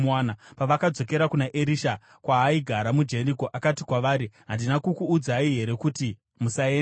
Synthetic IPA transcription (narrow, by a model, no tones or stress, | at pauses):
aːnapaʋakad͡zo̞ke̞ɾakunaʔeɾiːʃa | kwaɦːiɡʱaɾamud͡ʒe̞riko̞ʔakatikwaʋaːɾiɦandinakukuːd͡zaiɦe̞ɾe̞kuti | musae